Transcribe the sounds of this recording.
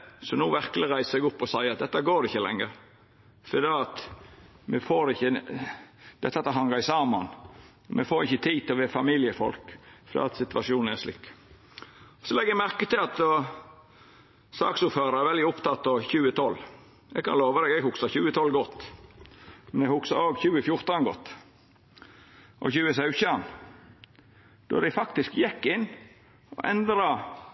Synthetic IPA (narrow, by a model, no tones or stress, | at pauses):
sɔnuːʋæɾkəlɪɾæɪsəsɛɡʊpːɔsæɪɑt̪̚d̪ɛt̪ːɑɡoːɾɪçːəlɛ̰ŋːəɾ | fɔɾd̪iːɑt̪ | mɛfoːɾɪçːə | d̪̥ɛt̪ːɑt̪ːɑɦɑŋɑɾæɪsɑːmɑn | mɛfoːɾɪçːət̪ʰiːt̪ʰɪlɔʋɛfɑmɪlɪəfɔ̰lkfɔd̪̰ɑ̰ːɑt̪sɪt̪ʋɑʂuːnn̩ɛʂlɪ̰kː | ɔsɔlɛɡːjɛmæɾkət̪ʰɪlɑt̪ | sɑ̰ːksuːføːɾɑɾæɾʋɛld̪ɪʊpt̪ʰɑt̪ːɔçʉːət̪ʰɔlː | ɛɡ̚kʰɑnoːʋɑd̪ɛɡɛɡhʊksɑçʉːət̪ʰɔlːɡɔt̪ː | mɛnɛɡhʊksɑɾoːɡçʉːəfjʊɾt̪ɑnɡɔ̰t̪ː | ʔɔ̰çʉːəsɑʉçən | d̪̥ɔ̰d̪æɪfɑk̚t̪ɪskjɛkːɪnː | ɔ̰ʔɛnd̪ɾɑ